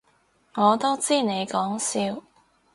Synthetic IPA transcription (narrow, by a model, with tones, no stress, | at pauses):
ŋɔː˨˧t̪o˥wt͡siː˥ne˨˧jkɔː˨˥ŋsiː˧w